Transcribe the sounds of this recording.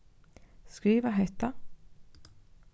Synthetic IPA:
skɾiːvaɦɛt̪a

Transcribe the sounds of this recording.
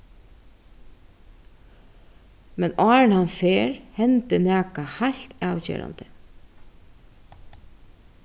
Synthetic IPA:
mɛnɑːɹɪnhanfeːɹhɛnt̪ənæːkahalt̪ɑːwcḛːɾa̰nt̪ə

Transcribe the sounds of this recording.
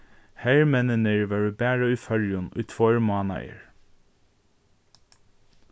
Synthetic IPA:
hæɹmɛnənəɹʋɑɹʉːbæːɹəʉːfœɾjʊnʉ̰ːt̪ʰfɔɹmɑːnɑ̰ɪə̰ɹ

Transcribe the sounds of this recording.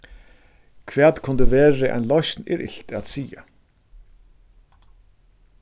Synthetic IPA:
kʰvæːt̪kʰʊnd̪ɪʋɛːɾɪʔa̰jnlɔsnɪ̰ɾʔɪ̰ɬt̪at̪siːa̰

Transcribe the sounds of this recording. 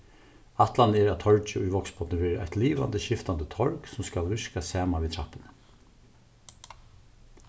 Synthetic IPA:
at̪lanəɛːɹat̪ʰɔɹt͡ʃəʊjʋɔksbɔt̪nəʋɛːɾəa̰ht̪liːʋa̰nd̪əʃɪft̪and̪ət̪ʰɔɹksʊmskalʋɪɹkasaːmanʋit̪ʰɾahpɪnə

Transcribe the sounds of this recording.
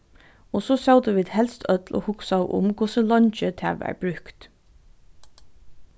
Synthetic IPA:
osoːsaʊd̪əʋiːd̪hɛlst̪ʰœt̪lʔo̰ːhʊksaʊʔʊ̰mkʰʊsəlɔnt͡ʃət̪ʰæ̰ːʋæ̰ɹb̥ɹʉkt̪

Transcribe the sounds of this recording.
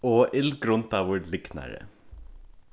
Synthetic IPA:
oːʔɪlɡɾʊnt̪ɑʋʊɖlɪknæ̰ɾə̰

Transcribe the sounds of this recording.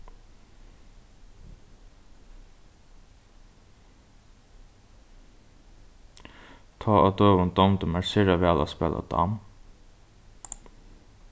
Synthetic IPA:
t̪ʰɑːʔad̪øːʋʊnd̪ɔnt̪ʊmæɹsɪɹaʋɛːla̰spɛ̰ːlʔa̰d̪ɑ̰m

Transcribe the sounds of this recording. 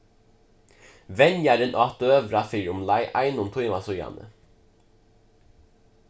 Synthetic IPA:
ʋɛnjæɾənʔɑːt̪øːʋɾɑfiɾʊmlɑɪʔæ̰ɪnʊmt̪ʰuɪmɑsɔjɑ̰nə̰

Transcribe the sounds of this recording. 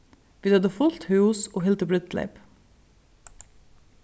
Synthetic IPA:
ʋiːd̪œd̪əfʊlt̪hʉuːsoːhɪlt̪əbɽʏt̪lḛɪp

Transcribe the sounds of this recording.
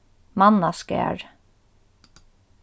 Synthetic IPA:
mɑnaskɛ̰ːɹ

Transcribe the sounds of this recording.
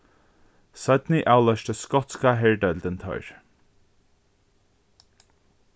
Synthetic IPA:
sœd̪niʔaːlœʃtəskɔt̪skaɦɛɹɖœld̪ənt̪ʰœ̰ʏɹ

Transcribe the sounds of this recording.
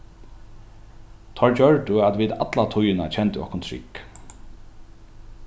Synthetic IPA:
t̪ʰɔɹt͡ɕœɹʈʊat̪ʋiːd̪a̰t̪lat̪ʰʊjɪna̰t͡ʃʰɛnt̪ɪɔ̰hkʊnt̪ʰɾɪ̰k

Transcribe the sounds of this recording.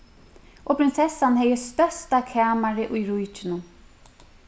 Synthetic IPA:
ʔɔpʰɾɪnsɛsːanhɛjɪst̪œst̪akʰaːmaɾɪʔujɾujt͡ʃɪnʊm

